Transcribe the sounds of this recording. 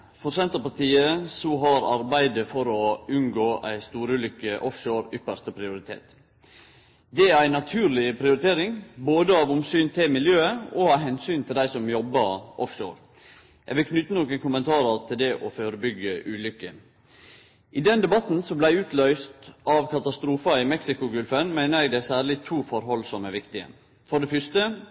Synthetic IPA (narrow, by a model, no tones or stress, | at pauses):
fɔɾsɛnt̪əɾpɑt̪iːəsɔɦɑɾɑ̰ɾbæɪd̪əfɔɾɔʉnɡoːʔæ̰ɪst̪uːɾʉːlʏkːəʔɔfʃoːɾʏpəst̪əpʰɾɪʊɾɪt̪ʰḛːt̪ | d̪ɛæɾæɪnɑt̪ʰʉːɾlɪpʰɾɪʊɾɪt̪ʰeːɾɪŋboːd̪əɑːʋʊmsyːnt̪ʰɪmɪljøːəɔɑːʋɦɛnsyːnt̪ʰɪld̪æɪsɔmjɔbːəɾʔɔfʂo̰ːɾ | ɛɡʋɪlkʰnʏt̪ːənɔkənkʊmənt̪ʰɑːɾəɾt̪ʰɪld̪ɛʔɔføːɾəbʏɡːəʔʉːlʏkːə | ʔɪd̪ɛnd̪ɛbɑt̪n̩sɔblæɪʉːt̪lœʏst̪ɑʋkɑt̪ɑst̪ɾuːfɑɪmɛksɪkʊɡʉlfənmæɪnəɾɛɡd̪æsæːɾlɪt̪ʰuːfɔɾɦɔlsɔmæɾʋɪkt̪ɪə̰ | fɔɖ̪ɛfʏʂt̪ə